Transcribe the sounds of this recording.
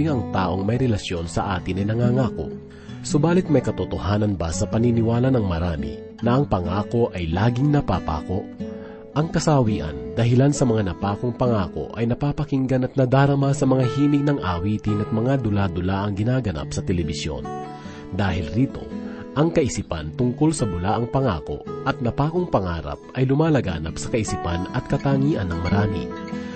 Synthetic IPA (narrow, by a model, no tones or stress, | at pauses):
ɪŋɐŋt̪aːʔo̞ŋmɐjɾɛlɐsjo̞nsɐʔaːt̪ɪnɐjnɐŋaːŋaːko̰ʔ | sʊbaːlɪt̪̚mɐjkɐt̪ot̪ohaːnɐnbasɐpɐninɪwaːlɐnɐŋmɐɾaːmḭ | nɐʔɐŋpɐŋaːko̞ʔɐjlaːɡɪŋnɐpapa̰ːko̞ʔ | ʔɐŋkɐsawiːʔɐ̰nd̪ɐɦɪlansɐmɐŋanɐpaːko̞ŋpɐŋaːko̞̰ʔɐjnɐpaːpɐkiŋɡɐnɐt̪̚nɐd̪aːɾɐmasɐmɐŋaɦiːnɪɡ̚nɐŋʔa̰wiːt̪ɪnɐt̪̚mɐŋad̪ʊlad̪ʊlaʔɐŋɡɪnaːɡɐna̰psɐt̪ɛlɛbɪsjo̞̰n | d̪aːɦɪlɾiːt̪o̞̰ | ʔɐŋkɐʔɪsipa̰nt̪ʊŋkolsɐbʊlaːʔɐŋpɐŋa̰ːko̞̰ʔɐt̪̚nɐpaːko̞ŋpɐŋa̰ːɾɐ̰p̚ʔɐjlʊmaːlɐɡa̰ːnɐpsɐ̥kɐʔɪsipanɐt̪̚kɐt̪aːŋiːʔɐnːɐŋmɐɾaːmḭ